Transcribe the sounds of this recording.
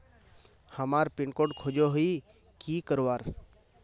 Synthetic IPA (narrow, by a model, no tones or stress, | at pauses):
həmaːɾpɪɳkoːɖkʰod͡ʒoɦi | kikəɾʋaːɾ